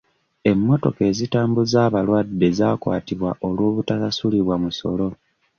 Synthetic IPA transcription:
e̞mːo̞to̞̰ke̞ːzitaːmbuzaːβalwadːe̞zakwa̰ːtiβwa̰ʔo̞lwoːβutasasuliβwamuso̞̰lo̞

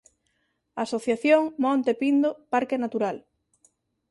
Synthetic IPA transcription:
asoθjaθjoŋmɔ̃nt̪epind̪opaɾkenat̪uɾal

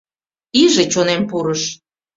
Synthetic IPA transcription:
iʒet͡ɕonempuɾəʃ

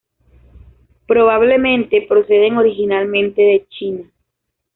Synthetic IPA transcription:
pɾo̞βaβle̞mẽ̞nt̪e̞pɾo̞se̞ðe̞ŋo̞ɾixinalmẽ̞nt̪e̞ðe̞t͡ʃina

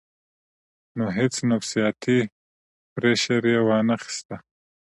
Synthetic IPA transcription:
noɦɪt͡snafsijɑt̪ʰi | pɾeʃaɾjewɑnaxɪ̥st̪a

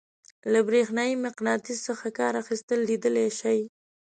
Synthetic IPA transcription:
labɾexnɑjimɪqnɑt̪isəxakɑɾaxist̪əlːid̪əleʃaj

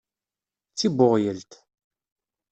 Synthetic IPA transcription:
t͡sːiboʁjəlt̪

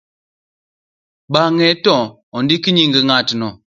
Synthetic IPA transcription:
ɓaŋɛtɔ̃ | ɔndikiɲiŋɡəŋatinɔ

